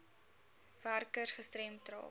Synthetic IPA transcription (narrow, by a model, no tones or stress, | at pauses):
værkərsχəstɾɛmtrɑ̰ː